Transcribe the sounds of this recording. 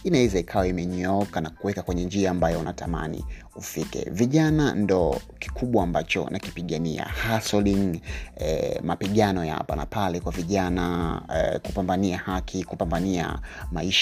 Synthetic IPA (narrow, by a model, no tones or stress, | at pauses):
inaɛzaikʰawaimɛɲɔkanakuwɛkakwɛɲɛnd͡ʒiaːmbajɔunʔatama̰nḭ | ufikɛ̰viʄanandɔki̥kʰuɓwaːmbat͡ʃɔ̰nʔaki̥piɠania̰hasɔliŋɛmapiɠanɔjaa̰pa̰na̰palɛkwaviʄana | kupambaniahakʰikupambania̰maiʃ